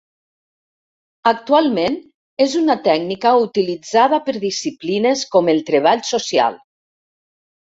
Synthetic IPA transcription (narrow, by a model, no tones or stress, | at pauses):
ək̚t̪ualˠmen | ezunat̪ɛɡnikaut̪ilid͡zað̞apəɾðisiplinəskɔmelˠt̪ɾeβ̞aʎsosia̰lˠ